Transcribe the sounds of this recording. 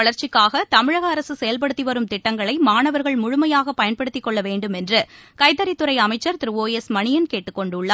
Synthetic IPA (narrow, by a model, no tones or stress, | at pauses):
ɐɭɐɾt͡ʃɪkːaːɣɐt̪ɐmɪɻɐɣɐːɾɐsɯsɛjɐlp̬ɐɽɯt̪ːiʋɐɾɯmt̪ɪʈːɐŋɡɐɭɐɪmaːnɐʋɐɾɣɐɭmʊɻʊmɐjaːɣɐpːɐjɐnpɐɽɯt̪ːɪkːɔɭːɐʋeːɳɖɯmɛndrɯkɐɪt̪ːɐɾɪt̪ːɯɾɐɪɐmɐɪt͡ʃːɐɾt̪ɪɾɯʋoːjesmɐɳɪjɐnkeːʈːɯkːɔɳɖɯɭːɐ